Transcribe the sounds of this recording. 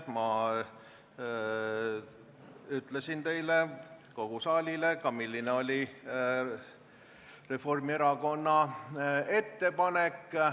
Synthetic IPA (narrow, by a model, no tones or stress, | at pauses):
mɑ | yt̪le̞sint̪e̞jleko̞ɡ̥usɑːlʲile̞kɑmilʲːineo̞lʲi | re̞fo̞rmie̞ɾɑko̞nːɑ | e̞t̪ːe̞pɑnekː